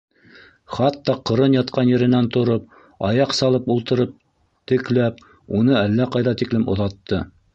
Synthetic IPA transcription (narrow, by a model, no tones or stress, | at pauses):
χɑt̪ːɑqɤ̆ɾɤnjɑt̪̚qɑnjɘ̆ɾɘ̆nænt̪ŏɾop̚ | ɑjɑqsɑlˠɤpulˠt̪ɤ̆ɾɤp̚ | t̪ɘ̆klæp̚ | unɤælːæqɑjðɑt̪iklɘmŏðɑt̪ːɤ